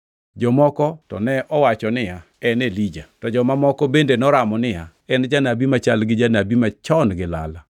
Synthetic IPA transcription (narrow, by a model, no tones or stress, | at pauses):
d͡ʒɔmɔkɔtɔ̰nɛʔɔwat͡ʃɔnɪja | ɛnelid͡ʒatɔd͡ʒɔmamɔkɔbendenɔɾamɔnɪja | ɛnd͡ʒanabimat͡ʃalɡɪd͡ʒanabimat͡ʃɔnɡɪla̰la